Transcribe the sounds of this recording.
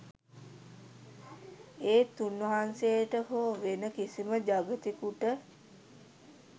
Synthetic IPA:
eːt̪unʋəɦansejəʈəɦoːʋenəkisiməd͡ʒaɡət̪ikuʈə

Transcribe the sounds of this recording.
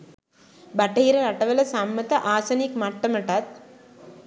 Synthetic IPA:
baʈɐɦiɾəɾaʈəʋələsamːət̪əʔaːsɐnikmaʈːəməʈat̪̚

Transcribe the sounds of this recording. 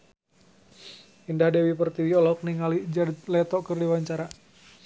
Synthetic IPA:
indahdɛwipərt̪iwiɔlɔk̚niŋalid͡ʒadt̪̚lɛt̪ɔʔkɨrdiwaɲt͡ʃaɾa

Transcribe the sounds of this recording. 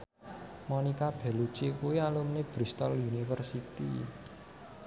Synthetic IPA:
mɔnikab̥ɛ̤lut͡ʃikuialumneb̥ɾist̪ɔljunifərsit̪ḭ

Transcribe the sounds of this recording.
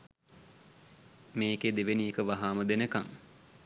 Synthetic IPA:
meːked̪eʋeniekəʋaɦaːməd̪enəkaŋ

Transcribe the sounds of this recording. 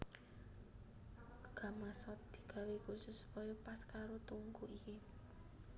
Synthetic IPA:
ɡ̥a̤masɔt̪̚d̪̥i̥̤ɡ̥a̤wekusʊsːu̥pɔjɔpaskaɾot̪uŋkuʔiki

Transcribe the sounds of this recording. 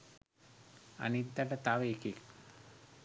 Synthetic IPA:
ɐ̰nid̪ːɐʈɐt̪aʋeːkik

